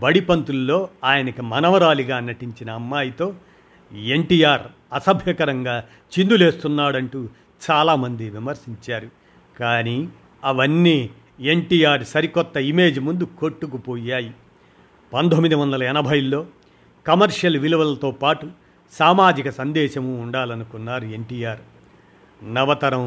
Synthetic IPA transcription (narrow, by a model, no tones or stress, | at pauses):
bɐɽipɐnt̪ulːo̞ːaːjɐnɐkimɐnɐʋɐɾaːliɡaːnɐʈiɲt͡ʃinɐːmːaːjit̪o̞ː | e̞ɳʈiːjaːɾ | ɐsɐbʱjɐkɐɾɐŋɡaː | t͡ʃind̪ule̞ːst̪unːaːɽɐɳʈuː | t͡ʃaːlaːmɐnd̪iʋimɐɾsiɲt͡ʃaːɾu | kaːniː | ɐʋɐnːiː | eɳʈiːjaːɾsɐɾikɔt̪ːɐime̞ːd͡ʒimund̪ukoʈːukupoːjaːji | pɐnd̪omːid̪iʋɐnd̪ɐlɐɛnɐbʱɐjlːo̞ː | kɐmɐɾʂɐlʋiluʋɐlɐt̪oːpaːʈu | saːmaːd͡ʒikɐsɐnd̪ɛːʃɐmuːɳɖaːlɐnukunːaːɾue̞ɳʈiːjaːɾ | nɐʋɐt̪ɐɾɐm